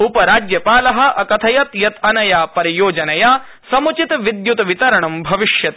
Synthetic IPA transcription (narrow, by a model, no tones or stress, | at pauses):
upɐɾaːd͡ʒjɐpaːlɐɦɐ̆ʔɐkɐt̪ʰɐjɐt̪jɐt̪ɐnɐjaːpɐɾijoːd͡ʒɐnɐjaː | sɐmut͡ʃit̪ʋid̪jut̪ʋit̪ɐɾɐɳɐmbʱɐʋiʃjɐt̪